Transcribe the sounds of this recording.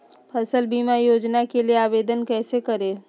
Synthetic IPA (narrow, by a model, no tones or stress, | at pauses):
pʰəsəlbiːmajoːd͡ʒnakelijeaːʋeːd̪ənkɛːsekəɾẽː